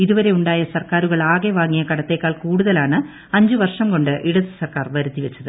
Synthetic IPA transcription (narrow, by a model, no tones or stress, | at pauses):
iðuʋɐɾe̞uɳɖaːjɐsɐrkaːɾuɣɐɭaːɣeʋaːŋːijɐkɐɽɐt̪ːe̞ːkːaːɭkuːɽuðɐlaːɳɨ | ɐɲd͡ʑɨʋɐrʂɐmko̞ɳɖɨʔiɽɐðɨsɐrkaːrʋɐɾuðːiʋet͡ɕːɐðɨ